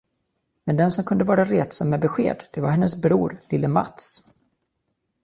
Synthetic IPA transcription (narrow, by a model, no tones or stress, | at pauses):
mɛnd̪ɛnsɔmkʰɵnd̪əvɑːɾaɾeːt̪sɔmːɛbɛɧḛːd̪d̪̥ɛvaɾhɛnːəsbɾuːɾlɪlːəma̰t̪s